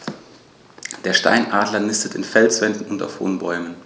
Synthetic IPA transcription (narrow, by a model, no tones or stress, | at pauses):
d̥eːɐʃta̰ɪnʔaːdlɐnɪstətɪnfɛlsv̥ɛndn̩ʊnta̰ʊfho̰ːnbɔʏmən